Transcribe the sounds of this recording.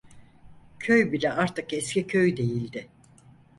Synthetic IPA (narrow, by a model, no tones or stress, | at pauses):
cʰøjbilʲɛaɾt̪ʰɯkɛscʲicʰøjd̪e̞jilʲd̪ɪ